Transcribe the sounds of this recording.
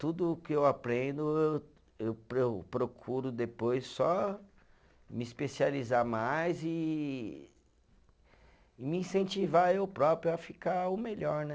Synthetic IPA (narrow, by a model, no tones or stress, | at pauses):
t̪ud̪ʊkɪewapɾẽnd̪ʊew | ewpɾewpɾokʰuɾʊd̪epojsːɔ | mɪispesializaɾmajzɪ | miĩsẽnt͡ʃivaewpɾɔpɾjʊafikaʊmeʎɔɾnɛ